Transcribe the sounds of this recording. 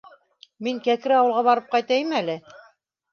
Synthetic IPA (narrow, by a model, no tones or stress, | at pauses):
miŋkæk̆ɾɑwɤ̆lˠʁɑβɑɾɤp̚qɑjt̪æjmælɘ